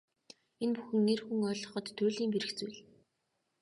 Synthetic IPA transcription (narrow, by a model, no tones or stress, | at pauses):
enpuxɘ̆ŋːerxuŋœːɮɞ̆χɞ̆t̪ʰːʊːɮiːmpeɾɘ̆xt͡sujɮ